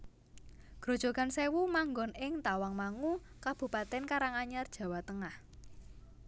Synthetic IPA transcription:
ɡ̥ɾo̤d̥ʒ̥o̤ɡ̥ansewumaŋɡɔnɪŋt̪awaŋmaŋukab̥ṳpat̪ɛnkaɾaŋaɲard̥ʒ̥a̤wat̪əŋah

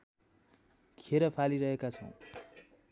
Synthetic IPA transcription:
kʰeɾʌpʰaliɾʌɦekat͡sʰʌ̰w̃

